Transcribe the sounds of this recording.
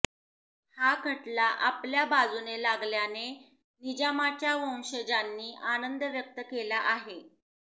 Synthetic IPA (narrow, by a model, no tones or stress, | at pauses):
hakʰəʈlaʔapljabad͡zunelaɡljane | nid͡ʑamat͡ɕjaʋə̃w̃ɕəd͡ʑanːiːʔanənd̪ʱəʋjək̚t̪əkelaʔaɦe